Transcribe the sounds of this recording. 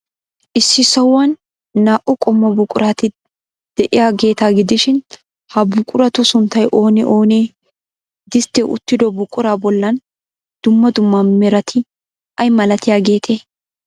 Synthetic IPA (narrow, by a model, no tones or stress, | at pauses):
ʔɪsːɪsɐwːɐnː | aːʔʊkʼɔmːɔbʊkʼːʊɾaːt̪ɪ | d̪̥ɛʔɪjaːɡe̞ːt̪aːɡɪd̪ɪʃɪn | hɐbʊkʼʊɾɐt̪ʊsʊnt̪ːɐjʔo̞ːnɪʔo̞ːneː | d̪ɪst̪ːɛʔʊ̰t̪ːɪd̪ɔbʊkʼːʊɾaːbɔlːɐn | d̪̥ʊmːɐd̪ʊmːɐmɛɾɐt̪ʰɪ | ɐjmɐlɐt̪ɪjaːɡe̞ːt̪ʰeː